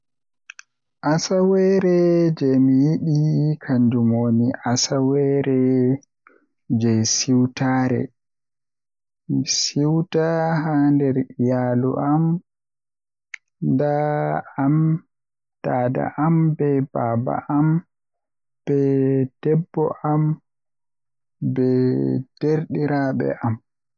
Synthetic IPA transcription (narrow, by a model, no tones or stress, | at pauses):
ʔasawɛɾɛd͡ʒɛmijiɗikʰaɲd͡ʒumoːniʔasawɛɾɛ | d͡ʒɛjsiwtaːɾɛ̰ | misiwtaɦandɛɾijalṵʔam | ndaam | tada̰ʔambɛbaːba̰ʔam | b̥ɛd̥ɛbːɔ̰ʔam | bɛd̥eɾɗiɾaɓɛ̰ʔam